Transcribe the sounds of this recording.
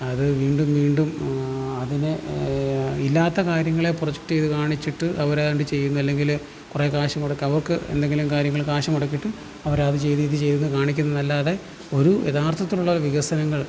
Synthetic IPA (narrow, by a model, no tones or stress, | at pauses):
ɐðɨʋiːɳɖumʋiːɳɖumɐðine | ilːaːt̪ːɐkaːɾjɐŋːɐɭe̞proɐd͡ʑek̚ʈt͡ɕe̞jðɨkaːɳit͡ɕːiʈːɨʔɐʋɐɾeɳɖɨt͡ɕe̞jːunːuɐlːe̞ŋɡil | kure̞ːkaːʂɐmoɽɐkːɐʋɐrkɨḛnd̪e̞ŋɡilumkaːɾjɐŋːɐɭkaːʂɐmoɽɐk̬ːiʈːɨ | ɐʋɐɾaːðɨt͡ɕe̞jðijt̪ːit͡ɕe̞jðunːukaːɳikʲːunːɐɨnɐlːaːðe | o̞ɾujḛðaːrt̪ʰɐt̪ːiluɭːɐʋiɣɐsɐnɐŋːɐɭ